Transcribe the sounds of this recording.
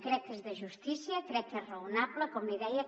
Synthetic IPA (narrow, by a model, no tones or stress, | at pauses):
kɾɛk̚ːezðəʒust̪isiəkɾɛkːezrəunapləkɔmliðɛjə